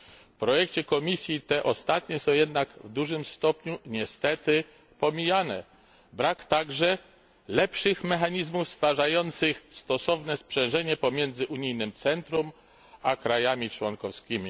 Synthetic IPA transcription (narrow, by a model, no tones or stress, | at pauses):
fpɾɔjɛkt͡ɕɛkɔmʲisʲjit̪ɛʔɔst̪at̪ɲɛsɔ̃w̃jɛd̪naɡvd̪uʐɘmst̪ɔpɲuɲɛst̪ɛt̪ɘ | pɔmʲijanɛ̰ | bɾakt̪aɡʐɛ | lɛpʂɘxmɛxaɲizmufst̪faʐajɔnt̪sɘxst̪ɔsɔvnɛspʂɛ̃ʐɛɲɛpɔmʲjɛnd̪zɘʔuɲijnɘmt̪sɛnt̪ɾɔm | akɾajamʲit͡ʂwɔnkɔfskʲimʲi